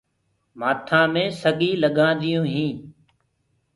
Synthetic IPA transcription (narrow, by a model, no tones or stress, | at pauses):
maːt̪ʰãːmẽːsəɡiːləɠãːnd̪ɪjũːɦĩː